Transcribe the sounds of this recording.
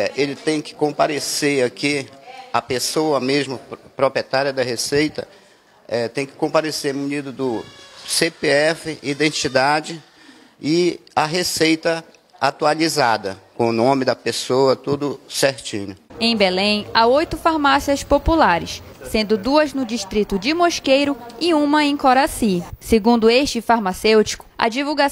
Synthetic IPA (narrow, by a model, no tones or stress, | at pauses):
ɛʔelɪt̪ẽj̃kɪ̥kõpaɾeseɾakɪɐpesowɐmeʒmʊpɾopɾiet̪aɾiɐd̪ɐɦesejt̪ɐ̰ | ɛt̪ẽj̃kɪ̥kõpaɾesemunid̪ʊd̪ʊsepeɛfɪʔid̪ẽnt͡ʃid̪ad͡ʒɪ | ɪɐɦesejt̪ɐ | at̪ualizad̪ɐ̰kõʊnõmɪd̪ɐpesoɐt̪ud̪ʊseɾt͡ʃḭ̃ɲʊẽj̃belẽj̃aojt̪ʊfaɾmasiɐspopulaɾɪ̰s | sẽnd̪ʊd̪uɐznʊd͡ʒiʃt̪ɾit̪ʊd͡ʒɪmoʃkejɾʊɪũmɐẽj̃koɾasiseɡũnd̪ʊeʃt͡ʃɪfaɾmasewt͡ʃi̥kʊ̥ɐ̰d͡ʒivuɡa